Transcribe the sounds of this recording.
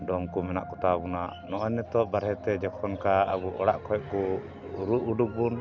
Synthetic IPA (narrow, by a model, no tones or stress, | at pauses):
ɖɔmkumɛna̰ʔkɔt̪abunaʔnɔʔɔnːɛt̪ɔbaɾɦɛt̪ɛd͡ʒɛkʰɔnkaa̰buʔɔɽaʔkʰɔjɛkɔ | ɾuʔuɖuk̚bun